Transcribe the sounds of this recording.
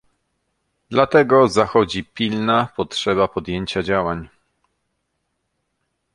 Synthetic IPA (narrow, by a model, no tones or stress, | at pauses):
d̪̥lat̪ɛɡɔzaxɔd͡ʑipʲilnapɔtʂɛβapɔd̪jeɲt͡ɕad͡ʑawaɲ